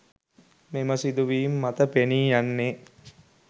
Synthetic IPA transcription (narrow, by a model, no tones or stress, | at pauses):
meməsid̪uʋiːmːat̪əpeniːjanːe